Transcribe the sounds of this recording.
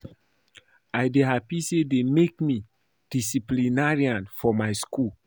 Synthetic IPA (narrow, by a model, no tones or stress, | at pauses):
ajdeɦapisedemek̚mi | d̥isiplinaɹiãnfɔmajskul